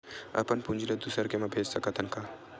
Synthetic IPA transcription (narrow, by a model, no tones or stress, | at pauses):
ɐ̰pənpund͡ʒiled̪usəɾkemãbʱeːd͡ʒsɐkat̪ʰɐnka